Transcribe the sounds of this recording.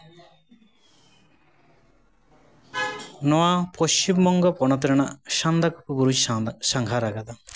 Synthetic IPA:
nɔapost͡ʃimːɔŋɡɔpɔɳ̃ɔt̪ɾiɳaʃand̪akupubuɾut͡ʃʃaŋɡʱaɾaɡad̪a

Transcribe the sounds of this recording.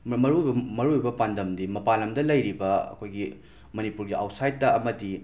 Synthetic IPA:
mɐɾuɐmɐɾuibɐpandɐmdimɐpalɐmdɐlɐjɾibɐɐ̰kʰojɡi | mɐnipuɾɡiʔa̰wsajtːɐɐmɐdi

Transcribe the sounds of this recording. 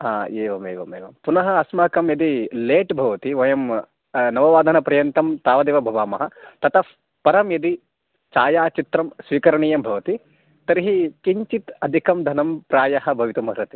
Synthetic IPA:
ɦaːeːʋɐmeːʋɐmḛːʋɐ̰mpunɐɦɐɐsmaːkɐmjɐd̪ileːʈbʱɐʋɐt̪iʋɐjɐm | nɐʋɐʋaːd̪ʱɐnɐpɾɐjɐnt̪ɐmt̪aːʋɐd̪eːʋɐbʱɐʋaːmɐɦɐt̪ɐt̪ʰɐf | pɐɾɐmjɐd̪i | t͡ʃaːjaːt͡ʃit̪ɾɐmsʋiːkɐɾɐɳijɐmbʱɐʋɐt̪i | t̪ɐɾiɦikiɲt͡ʃit̪ɐd̪ʱikɐmd̪ʱɐnɐmpɾaːjɐɦɐ̆bʱɐʋit̪umɐɾɐt̪i

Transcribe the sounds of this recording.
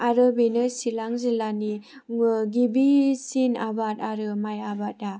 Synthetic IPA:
aɾɯbenɯsilaŋzilani | ɡibisinabat̚aɾɯmajabat̚a

